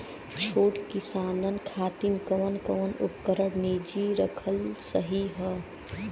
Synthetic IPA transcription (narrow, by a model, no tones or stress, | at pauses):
t͡ʃʰoːʈkisaːnənkʰaːt̪inkəʋənkəʋənupkəɾəɽned͡ʒiɾəkʰəlsəɦiɦə